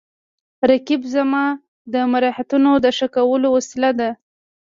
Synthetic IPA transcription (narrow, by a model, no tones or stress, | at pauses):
ɾakibzamɑ | d̪əmaɾɑhat̪unod̪əʂakawəlowasɪlad̪a